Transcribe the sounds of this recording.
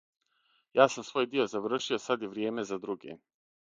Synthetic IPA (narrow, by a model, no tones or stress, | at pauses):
jaːsamsʋo̞ːjd̪io̞zaʋr̩ʃio̞sad̪jeʋɾjeːme̞zad̪ɾuɡḛ